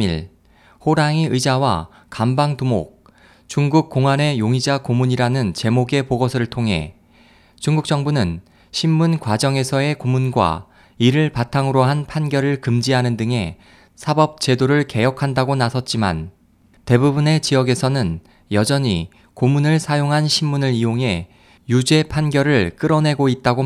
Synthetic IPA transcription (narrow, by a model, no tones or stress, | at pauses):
iɭ | hoɾaŋiɯd͡ʑawa̰ | kambaŋtumo̰k̚ | t͡ɕuŋɡuk̚k͈oŋwane̞joŋid͡ʑakomuɲiɾanɯnt͡ɕe̞moɡe̞poɡʌsʰɯɾɯɭtʰoŋɦe̞̰ | t͡ɕuŋɡuk̚t͡ɕ͈ʌŋbunɯn | ɕʰimːunkwad͡ʑʌŋe̞sʰʌe̞komunɡwa̰ | iɾɯɭpatʰaŋɯɾoɦanpʰanɡjʌɾɯɭkɯmd͡ʑiɦanɯndɯŋɦe̞ | sʰabʌp̚t͡ɕ͈e̞doɾɯɭke̞jʌkʰandaɡonasʰʌt̚t͡ɕ͈ima̰n | te̞bubune̞t͡ɕiʌɡe̞sʰʌnɯn | jʌd͡ʑʌɲi | komunɯɭsʰajoŋɦanɕʰimːunɯɾijoŋɦe̞ | jud͡ʑe̞pʰanɡjʌɾɯɭk͈ɯɾʌne̞ɡoit̚t͈aɡo